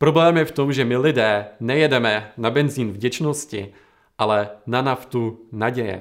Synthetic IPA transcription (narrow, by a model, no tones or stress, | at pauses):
pɾo̞blɛːmjɛft̪o̞mʒɛmɪlɪdɛːnɛjɛdɛmɛnabɛnziːnvɟɛt͡ʃno̞scɪ̰ | ʔalɛnanaft̪unaɟɛjɛ̰